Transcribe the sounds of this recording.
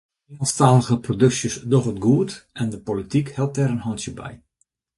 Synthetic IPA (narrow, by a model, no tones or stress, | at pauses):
inənstaːləɣəprodɵksjəsdoχətɡuːtɛndəpolitikhɛlˠp̚tɛɾənɦɑntjəbɛ̰j